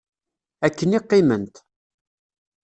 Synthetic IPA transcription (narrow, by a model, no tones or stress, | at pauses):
ækːənɪqːɪmənt̪